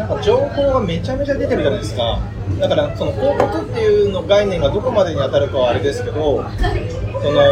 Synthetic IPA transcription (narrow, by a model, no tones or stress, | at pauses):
pːad͡ʑo̞ːho̞ːɡame̞t͡ɕame̞t͡ɕad̪e̞t̪e̞ɾɯ̟t̪amed̪esɨ̥ka̰ | d̪akaɾaso̞no̞ko̞ːk̪ot̪ɯt̪ːe̞jɯ̟no̞ɡainẽ̞ŋɡad̪o̞ko̞mad̪e̞ɲ̟iat̪aɾɯ̟kaβaːɾed̪e̞sɨ̥ke̞d̪o̞ | so̞no̞